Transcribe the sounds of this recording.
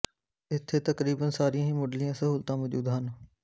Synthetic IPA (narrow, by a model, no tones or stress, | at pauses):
ɪt̪ʰːeːt̪əkɾiːbənsaːɾijãːɦĩːmoɖlɪjãːsəɦuːlt̪ãːʋɔːd͡ʒṵːd̪ɦən